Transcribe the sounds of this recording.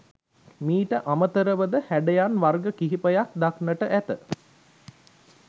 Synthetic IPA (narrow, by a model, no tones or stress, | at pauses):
miːʈəʔamət̪əɾəʋəd̪əhæɖejanʋarɡəkiɦipəjak̚d̪aknəʈəʔæt̪ə